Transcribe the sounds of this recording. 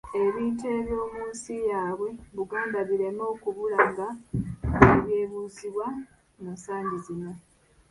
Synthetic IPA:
e̞βiːnte̞ːβjo̞ːmuːnsijaːβwe̞βuɡaːndaβiɾe̞mo̞ːkuβulaŋɡa | eβje̞ːβuːziβwa | nosaːɲɟizino

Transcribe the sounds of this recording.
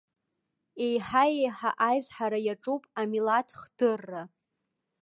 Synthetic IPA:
e̞jħaejħa̰ʔajzħaɾajaʈ͡ʂʼupʼamilatʰχd̥ɨrːa

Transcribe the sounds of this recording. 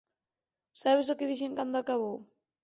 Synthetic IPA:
saβ̞esokɪðiʃeŋkand̪ʊakaβow

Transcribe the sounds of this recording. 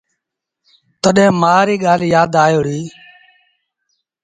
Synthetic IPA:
t̪əɗẽːmaːɾiːɠaːljaːd̪aːjoːɽiː

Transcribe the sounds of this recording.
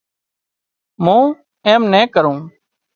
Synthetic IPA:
mũː | eːmneːkəɾõː

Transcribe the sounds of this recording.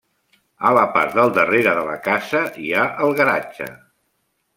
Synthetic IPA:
ələpa̰ɾd̪əlˠd̪əreɾəðələkazəiaʔəlˠɣəɾa̰t͡ʃə̰

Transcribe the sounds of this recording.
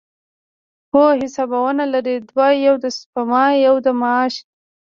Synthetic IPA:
hoɦɪsɑbawənalaɾid̪wɑjawd̪əspamɑjawd̪əmɑːʃ

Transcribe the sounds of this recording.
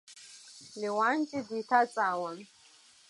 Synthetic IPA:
liwant͡ʃʼid̪itʰat͡sʼawan

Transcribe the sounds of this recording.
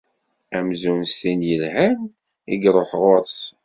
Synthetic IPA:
æmzunst̪injəlhæm | iɡɾˤoħʁʊɾˤs

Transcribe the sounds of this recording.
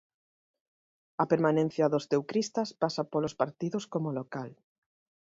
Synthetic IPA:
ɐpeɾmanẽn̟θjaðost̪ewkɾist̪aspasapolospaɾt̪iðoskomolokal

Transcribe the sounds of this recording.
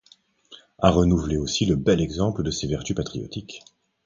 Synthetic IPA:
aʁənuvleosiləbɛlɛɡzɑ̃pləd̪əsevɛʁt̪ypat̪χijɔ̰t̪ik

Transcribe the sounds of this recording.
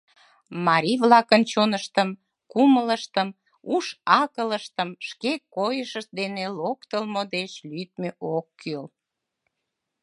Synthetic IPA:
mɑɾʲiβlɑkənt͡ɕonəʃt̪əm | kumələʃt̪əm | uʃɑkələʃt̪əmʃkekojəʃəd̪enelokt̪əlmod̪et͡ɕlyt̪̚meʔokːøl

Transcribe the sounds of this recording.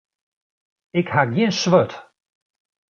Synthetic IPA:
ɪkhaɡjinsʋøt

